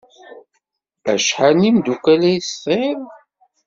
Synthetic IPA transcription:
æ̰ʃħanimd̪ukælæjsθˤem

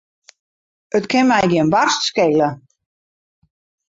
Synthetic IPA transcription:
ətkʰɪnmɛjɡiənʋastskeːlə

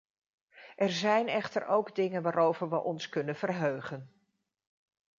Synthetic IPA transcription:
ʔɛɹzɛjnɛχtəɹowɡdɪŋənʋaːɾowvəɹʋəʔɔnskɵnənv̥ərɦøɥχən

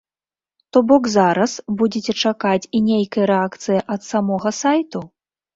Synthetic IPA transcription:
t̪ɔbɔkzaɾɐsbud͡zʲɛt͡sʲɛt͡ʂakat͡sʲinʲejkɐjɐɾɛakt̪sɨjɐʔɐt̪samɔɣɐsajt̪u

